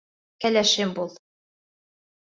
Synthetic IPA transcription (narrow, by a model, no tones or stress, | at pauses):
kælæʃɘmbulˠ